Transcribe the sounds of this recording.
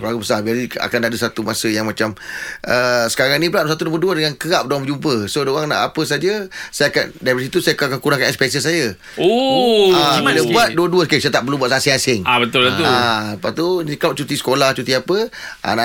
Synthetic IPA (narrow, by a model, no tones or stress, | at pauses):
pɾaɡubəsabialia̰kandadəsat̪umasəjaŋmãt͡ʃamʔəsə̥kaɾaŋnĩpəlaʔdsat̪̬unampəduədəŋankəɣaʔp̚doaŋmd͡ʒumpəsodooɣaŋna̰ʔapəs̬ad͡ʒəsajaka̰ndabəs̬it̪usajakakankuɾãŋkanɛspɛs̬əsajə | o | akiləbuat̪̚duəduəskəsajat̪aʔpərlumbuat̪saasɪŋasɪŋabət̪ʊlbət̪aapat̪unkaʔ̚t͡ʃut̪isə̥kolaht͡ʃut̪iapə | ʔa̰na